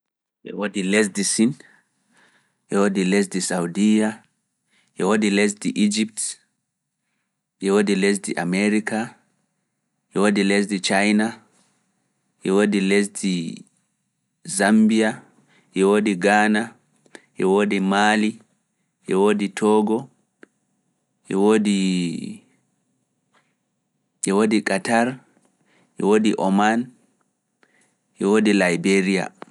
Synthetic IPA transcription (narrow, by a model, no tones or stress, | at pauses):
ʔɛ̰wodilɛs̬disin | ʔɛwodilɛs̬disawdija | ʔɛwodilɛs̬diʔid͡ʒip̚t | ʔɛwodilɛs̬diʔa̰mɛɾika | ʔɛwodilɛs̬dit͡ʃajna | ʔɛwodilɛs̬di | zambia | ʔɛwodiɡaːna | ʔɛwodimaːli | ʔɛwoditʰɔɡɔ | ʔɛwodi | ʔɛwodikataɾ | ʔɛwodiʔɔman | ʔɛwodilajbeɾija̰